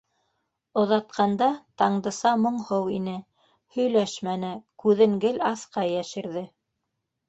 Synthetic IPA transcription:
ŏðɑt̪̚qɑnd̪ɑt̪ɑɴd̪ɤ̆sɑmŏɴhɤwinɘ | hɵ̆jlæʃmænɘkʉðɘ̆ŋɡɘlɑθqɑjæʃɘ̆ɾðɘ

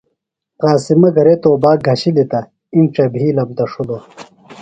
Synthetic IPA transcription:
qaːsimɐɡɐɾet̪oːbaːɡʱɐɕilit̪ɐ | inʈ͡ʂɐbʱiːlɐb̚d̪ɐʂud̪o

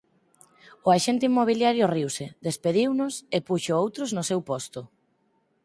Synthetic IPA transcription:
ʊaʃent̪eimːoβ̞iljaɾjʊriwsed̪espeðiwnʊsepuʃoowt̪ɾoznʊsewpɔst̪ʊ

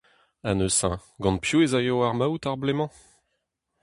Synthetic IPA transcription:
anøsɛ̃ɡɑ̃npjuezajowaʁmawt̪aʁblemɑ̃

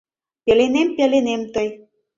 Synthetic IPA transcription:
pʲelenempʲelenemt̪əj

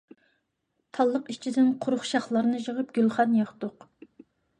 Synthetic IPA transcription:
t̪ʰɑlˠːəqit͡ʃʰid̪ɪnqʰʊɾʊχʃɑχlˠɑɾnɨʒəʁɨp̚ɡʲylˠχɑnjɑχt̪ʊq

